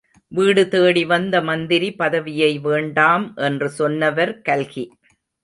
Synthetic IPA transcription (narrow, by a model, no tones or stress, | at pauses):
ʋiːɽɯt̪eːɽiʋɐnd̪ɐmɐnd̪ɪɾipɐðɐʋɪjɐɪʋeːɳɖaːmʔɛndrɯsɔnːɐʋɐɾkɐlɣi